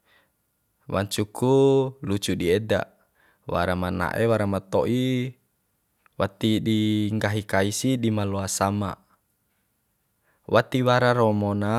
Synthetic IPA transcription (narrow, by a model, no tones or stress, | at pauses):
wa̰ɲt͡ʃukːulut͡ʃudiɛda̰ | wa̰ɾamana̰ʔewaɾamat̪ɔʔi | wat̪idiŋɡaɦikaisidimaloasama̰ʔ | wat̪iwaɾaɾomona